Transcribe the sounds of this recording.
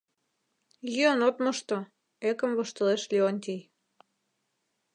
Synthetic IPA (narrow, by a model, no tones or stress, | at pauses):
jiənot̪moʃt̪o | ekə̆mβoʃt̪ɤ̆leʃlionʲt̪ʲij